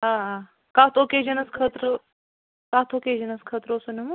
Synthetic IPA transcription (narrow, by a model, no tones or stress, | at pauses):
ɦaːɦaː | kaːt̪ʰokeːd͡ʒɐnɐskʰət̪ɾə | kaːt̪ʰoːkeːd͡ʒɐnɐskʰəːt̪ɾosunʲɐmu